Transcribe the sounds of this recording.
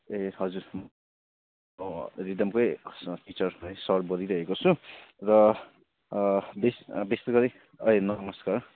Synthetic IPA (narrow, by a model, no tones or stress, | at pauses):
eɦʌd͡zuɾ | ɾid̪ʌmkojsʈit͡sʌrajsʌɾbʌɾiɾʌɦekot͡sʰurʌ | besbest̪ʌɡʌɾi | ʌenʌmʌskar